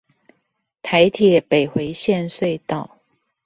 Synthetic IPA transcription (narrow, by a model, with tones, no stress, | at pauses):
t̪ʰa˧˥ɪt̪ʰjɛ˨˩pe˨˩ɪxwe˧˥ɪɕjɛ˥˧nswe˥˧ɪt̪ɑ˥˩ʊ